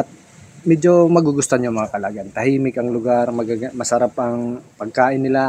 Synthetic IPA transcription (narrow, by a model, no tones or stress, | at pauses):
ʔɐt̪̚ | mɛd͡ʒomɐɡuɡʊst̪aɲjʊmɐŋakɐlaɡant̪ɐɦiːmɪkɐŋlʊɡaɾmɐɡaɡamɐsɐɾapʔɐŋpɐɡ̚kaːʔɪnːɪla